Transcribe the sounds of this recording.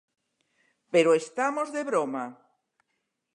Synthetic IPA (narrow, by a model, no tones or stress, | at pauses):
peɾoest̪amozðeβɾoma